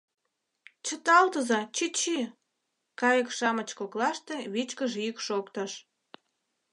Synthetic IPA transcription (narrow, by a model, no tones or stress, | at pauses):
t͡ɕət̪ɑlt̪əzɑt͡ɕit͡ɕi | kɑjəkʃɑmət͡ɕkoklɑʃt̪eβit͡ɕkəʒykʃokt̪ə̆ʃ